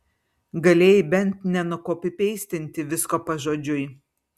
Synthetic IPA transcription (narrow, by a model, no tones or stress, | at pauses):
ɡɐlʲeːjɪbʲɛnˑt̪nʲɛnʊkoːpʲɪpʲɛɪsʲt̪ʲɪnʲt̪ʲɪʋʲɪskoːpɐʒoːd͡ʒʲʊɪ